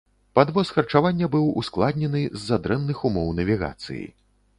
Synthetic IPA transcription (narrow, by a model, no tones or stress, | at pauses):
pad̪vɔsxɐrt͡ʂavanʲːɐbɨwṵsklˠad̪ʲnʲɛnɨzːad̪ɾɛnːɨxumɔwnɐvʲiɣa̰t̪sɨ̰jḭ